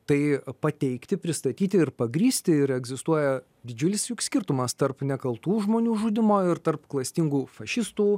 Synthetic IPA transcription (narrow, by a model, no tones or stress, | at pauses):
t̪ɐɪpɐt̪ʲɛɪkt̪ʲɪpʲɾʲɪst̪ɐt̪ʲiːt̪ʲɪɪɾpɐɡɾʲiːsʲt̪ʲɪɪɾɛɡzʲɪst̪uɔjɛ | d̪ʲɪd͡ʒʲʊlʲɪsjʊksʲkʲɪrt̪ʊmɐst̪ɐrpnʲɛkɐlˠt̪uːʒmoːnʲuːʒʊd̪ʲɪmoːɪɾt̪ɐrpklˠɐsʲt̪ʲiŋɡuːfɐʃʲɪst̪uː